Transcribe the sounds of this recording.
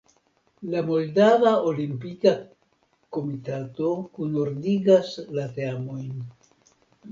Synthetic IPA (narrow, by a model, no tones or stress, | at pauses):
lamo̞ldavaolimpika | ko̞mitato̞kunoɾdiɡaslate̞amo̞jn